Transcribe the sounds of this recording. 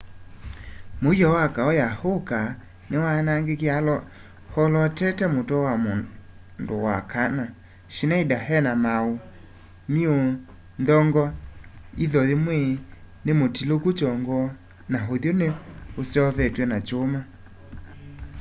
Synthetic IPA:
mojɔwakaɔjahoka | newanaŋɡekealɔ | hɔlɔtɛtɛmotɔwamo | ndo̰wa̰kana | ʃinaidaɦɛnamao | mio | ndɔŋɡɔiðɔðemwe | nemotilokut͡ʃɔŋɡɔ | naɦoðjoneosɛɔvɛtwɛnat͡ʃoma

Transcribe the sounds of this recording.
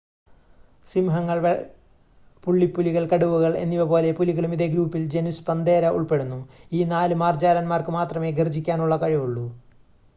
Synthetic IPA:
simɦɐŋːɐɭʋ | puɭːipːuliɣɐɭkɐɽuʋuɣɐɭe̞̰nːiʋɐpo̞ːle̞puliɣɐɭumiðeɡɾuːpːild͡ʑe̞nuspɐnd̪e̞ːɾɐʔṵɭpe̞ɽunːuiːnaːlɨmaːrd͡ʑaːlɐnmaːrkɨmaːt̪rɐme̞ːɡird͡ʑikʲːaːnuɭːɐkɐɻiʋuɭːu

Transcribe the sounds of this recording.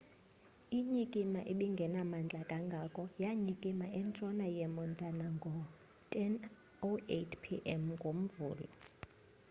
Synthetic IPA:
iɲikʼimaʔiɓiŋɡʱɛnamand͡ɮʱʼakʼaŋɡʱakʼɔjaɲikʼimaɛnt͡ʃʼɔnajɛmɔntʼanaŋɡʱɔ | tʼɛn | oetʰpʰiʔɛmŋɡʱom̩vṵːlɔ

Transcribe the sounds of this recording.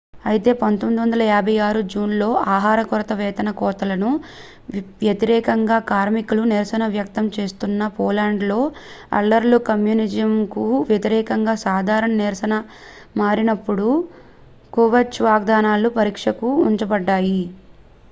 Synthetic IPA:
ɐjit̪e̞ːpɐnt̪omid̪iʋɐnd̪ɐlɐjaːbʱɐjaːɾud͡ʒuːnlo̞ːʔaːɦaːɾɐkɔɾɐt̪ɐʋɛːt̪ɐnɐkɔːt̪ɐlɐnu | ʋjɐt̪iɾɛːkɐŋɡaːkaːɾmikuluniɾsɐnɐʋjɐk̚t̪ɐmt͡ʃe̞ːst̪unːɐpɔːlaːɳɖlo̞ːɐ̰lːɐɾlukɐmjunid͡ʒɐmkuʋjɐt̪iɾɛːkɐŋɡaːsaːd̪ʱaːɾɐɳɐniɾsɐnɐ | maːɾinɐpːuɽu | kuʋɐɾt͡ʃʋaːɡ̚d̪aːnaːlupɐɾiːkʂɐkuuɲt͡ʃɐbɐɖːaːji

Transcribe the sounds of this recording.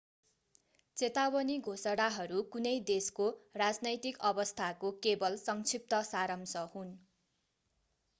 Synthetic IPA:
t͡set̪awʌniɡʱosʌɽaɦʌɾukunʌjd̪eskorad͡znʌjt̪ikʌbʌst̪ʰakokebʌlsʌŋt͡sʰip̚t̪ʌsaɾʌmsʌhun

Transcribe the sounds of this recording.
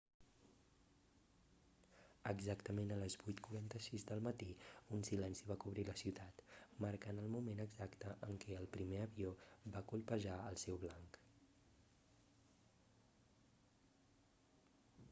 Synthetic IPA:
əɡzakt̪əmenələzβujt̪kuɾant̪əsizd̪əlˠmət̪iunsilɛnsiβakuβ̞ɾiləsiwt̪at̪məɾkanəlˠmumenəɡzakt̪əʔəŋkɛəlˠpɾimeəβiobakulˠpəʒaəlˠsɛwβlaŋk

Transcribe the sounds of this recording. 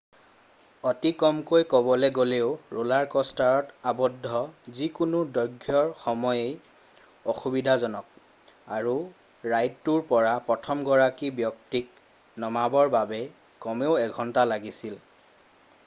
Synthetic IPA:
ɔtikɔmkojkɔbɔlɛɡoleʊɹulaɹkɔstaɹɔtabɔdʱːɔzikunudɔɡʱjɔɹxɔmɔjej | ɔxubidʱazɔnɔk̚ | aɹu | ɹajtːuɹpɔɹapɹɔtʰɔmɡɔɹakibjɔk̚tik̚ | nɔmabɔɹbabɛ | kɔmeʊɛɡʱɔntalaɡisil

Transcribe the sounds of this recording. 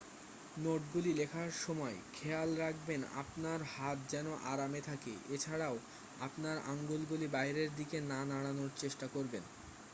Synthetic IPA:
noʈɡulilekʰaɾʃɔmɔekʰealɾak̚bena̰pnaɾhat̪̚d͡ʑɛnoʔaɾamet̪ʰakḛʔet͡ɕʰaɽao | apnaɾaŋɡolɡulibajɾeɾd̪ikenanaɽanoɾt͡ɕeʃʈakoɾben

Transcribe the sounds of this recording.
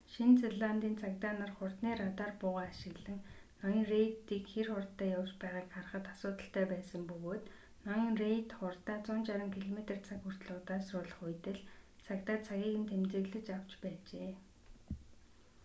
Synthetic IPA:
ʃint͡seɮant̪iːnt͡sʰakt̪aːnarχʊrt̪niːɾat̪aːrpʊːʁaːʃɪ̆ɣɮə̆ŋnɔjĭŋrejt̪ːiːkxerχʊrt̪ːæːjawt͡ɕpæːʁaːkχarə̆χə̆t̪asʊːt̪ə̆ɬt̪æːpæːsə̆mpɵɣoːt̪ | nɔjiŋrejt̪χʊrt̪aːt͡sʊnt͡ɕaɾə̆ŋkʰiɮɔmet̪ə̆rt͡sʰakxur̥t̪ɮʊːt̪aːsrʊːɮə̆χʊjt̪ɘ̆ɮt͡sʰakt̪aːt͡sʰaɣʲiːɣɘ̆nt̪ʰemt͡s̪ĕɣɮɘ̆t͡ɕaw̥t͡ɕpæːt͡ɕeː

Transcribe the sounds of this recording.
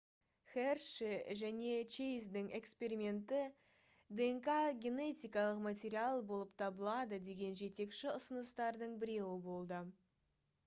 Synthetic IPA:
χerʃiʒæne̞t͡ʃejzd̪ɪŋe̞kspe̞ɾimʲe̞nt̪ɪ | d̪eŋkaɡʲe̞ne̞t̪ʲijkɑlˠəqmat̪ʲeɾialˠbo̞lˠəp̚t̪ʰɑbəlˠɑd̪əd̪e̞ɡʲe̞nʒe̞t̪e̞kʃɪʊsənəst̪ɑɾd̪əɴbɪɾe̞wɪbo̞lˠd̪ə

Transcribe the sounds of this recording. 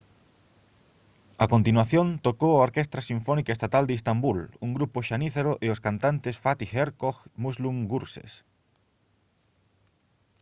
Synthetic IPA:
akont̪inwaθjõnt̪okowaoɾkest̪ɾasiɱfɔnikaest̪at̪ald̪eist̪ambuluŋɡɾupoʃaniθeɾoʔeoskant̪ant̪esfat̪ixeɾkoxmusluŋɡuɾsḛs

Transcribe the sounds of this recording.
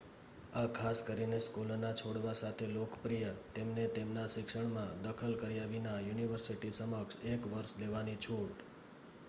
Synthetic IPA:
akʰaskəɾineskulonat͡ʃʰoɽʋasat̪ʰelokpɾijət̪emnet̪emnaʃɪkʃəɳ̃mãd̪əkʰəlkəɾijaʋinajuniʋəɾsiʈisəməksekʋəɾʃleʋanit͡ʃʰuʈ

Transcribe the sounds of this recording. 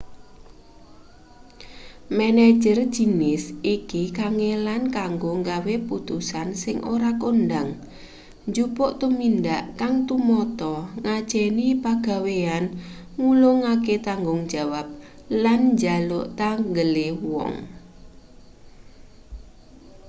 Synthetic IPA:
mɛne̥d͡ʒər̥ʒ̥i̤nɪsikikaŋelankaŋɡoŋɡaweput̪usansɪŋʔoɾakondaŋ | nd͡ʒupʊʔt̪umindaʔkaŋt̪umɔt̪ɔŋad̥d͡ʒʒ̥ɛnipaɡ̥a̤wean | ŋulʊŋaket̪aŋɡʊŋ̥d͡ʒ̥a̤wap̚ | lanɲd͡ʒalʊʔt̪aŋɡəlewɔ̰ŋ

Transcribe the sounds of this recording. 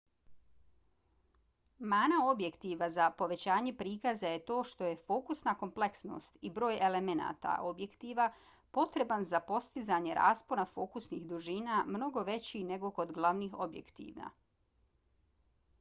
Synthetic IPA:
maːnao̞bjekt̪iʋazapo̞ʋe̞t͡ɕaːɲe̞pɾiːkazaje̞t̪o̞ːʃt̪o̞je̞fo̞ːkusnako̞mple̞ksno̰st̪ibɾo̞ːje̞le̞me̞na̰ːt̪a̰ʔo̞bje̞kt̪iʋa | po̞t̪ɾe̞banzapo̞st̪izaɲe̞ɾa̰ːsponafo̞kusnixd̪uʒiːnamno̞ɡo̞ʋe̞t͡ɕine̞ɡo̞ko̞d̪ɡlˠaʋnixo̞bjḛkt̪ḭʋa̰

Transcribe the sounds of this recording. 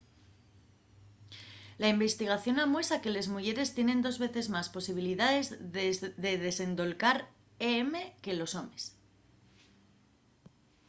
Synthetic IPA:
laimbe̞st̪iɣ̞aθjo̞namwe̞sake̞le̞zmuʝe̞ɾe̞st̪je̞nẽ̞nd̪o̞zβe̞θe̞zmaspo̞siβ̞iliðaðe̞zðe̞ðe̞se̞nd̪o̞lkaɾ | eeme̞ke̞lo̞so̞mes

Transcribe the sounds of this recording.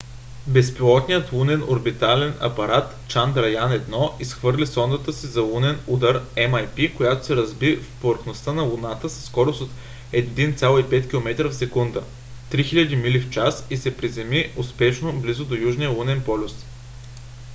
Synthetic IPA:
bɛspilˠɔt̪nijət̪lˠunɛno̰ɾbit̪alɛnɐ̰pɐɾat̪ | t͡ʃand̪ɾɐjanɛd̪nɔʔisxvɤɾlʲisɔnd̪ət̪əsizɐlˠunɛnud̪əɾɛmɐjpikojat̪o̥sɛɾɐzbifpovəɾxnost̪ənɐlˠunat̪əsɐ̥sːkɔɾʊsot̪ | ɛd̪int̪sʲalˠoipɛt̪kʲilˠomɛt̪ɾəfsɛkund̪ə | t̪ɾixiʎʲɐd̪imilift͡ʃasisɛpɾizɛmiʊspɛʃnoblizʊd̪ojuʒnijəlˠunɛnpɔlʲʊs

